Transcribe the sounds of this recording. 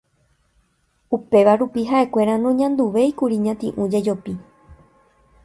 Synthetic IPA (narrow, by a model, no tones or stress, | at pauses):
upe̞ʋaɾupiɦaʔe̞kʷe̞ɾãnõɲãnd̪uʋe̞ikuɾiɲãt̪ĩʔũd͡ʒe̞d͡ʒo̞pi